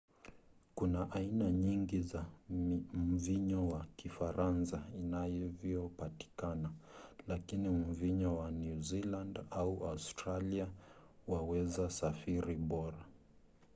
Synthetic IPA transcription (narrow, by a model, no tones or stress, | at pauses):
kunaʔainaɲiŋɡiza | m̩viɲɔwakifaɾansainajɔvjɔpati̥kanalakinim̩viɲɔwanjuzilandauaustɾaliawawɛzasafiɾiɓɔɾa